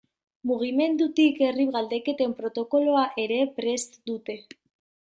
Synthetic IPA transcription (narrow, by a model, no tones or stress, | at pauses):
muɣ̞ime̞nd̪ut̪ike̞riβɣald̪e̞ke̞t̪e̞mpɾo̞t̪o̞ko̞loaʔe̞ɾe̞pɾe̞st̪d̪ut̪e̞